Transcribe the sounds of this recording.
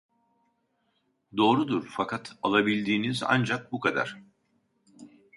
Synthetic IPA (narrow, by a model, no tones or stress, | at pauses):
d̪o̞ːɾud̪uɾfakʰat̪ʰalˠabilʲd̪iːniza̰nd͡ʒak̚bukʰad̪a̰ɾ̥